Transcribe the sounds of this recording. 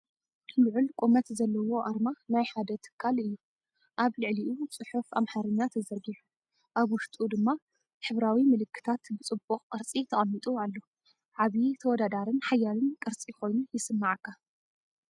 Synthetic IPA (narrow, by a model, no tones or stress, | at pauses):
lɨʕʊlkʼumɐt̪zɐlːɐwo̞ʔaɾmanajħad̪ɐt̪ʰɨ̥kʰːalɨjːu | ʔaβlɨʕliʔut͡sʼɨħufa̰mħaɾɨɲːat̪ʰɐzɐɾɡiħu | ʔaβwʊʃt̪ʼud̪ɨmːa | ħɨβɾawimɨlɨkːɨ̥t̪ʰat̪bɨt͡sʼɨboχʼkʼɨɾt͡sʼit̪ʰɐχʼɐnːit̪ʼualːo | ʕaβit̪ʰɐwɔd̪ad̪aɾɨnħajːalɨnkʼɨɾt͡sʼiko̞jnujɪsɨmːaʕkʰːa